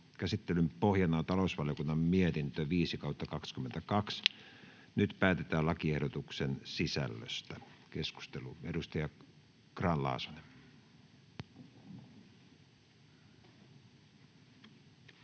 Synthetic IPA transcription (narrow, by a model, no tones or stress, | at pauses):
kæsit̪ːelympohjɑnɑːt̪ɑlousʋɑlijokunːɑmmiet̪int̪øʋiːsikɑut̪ːɑkɑkskyment̪ækɑks | nyt̪pæːt̪et̪æːlɑkiehdot̪uksensisæ̰lːø̰st̪ækesku̥st̪eluedust̪ɑjɑ | krɑːnlɑ̰ːso̥ne